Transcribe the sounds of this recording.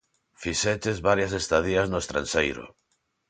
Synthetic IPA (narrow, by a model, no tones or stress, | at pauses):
fiʃɛt̪ezβaɾjɐs̬est̪aðiaznoest̪ɾa̰nʃejɾʊ̰